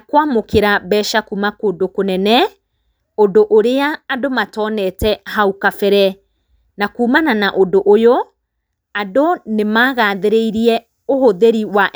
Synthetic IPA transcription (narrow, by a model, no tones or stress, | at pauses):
akwamokeɾabɛʃakumakoːdokonɛnɛ | odoʔoɾeaːdomatɔːnɛtɛhaukafɛɾɛ | nakuːmananaʔodoʔojo | adonemaːɣaːðeɾeiɾiɛ | ohoðeɾiwaʔ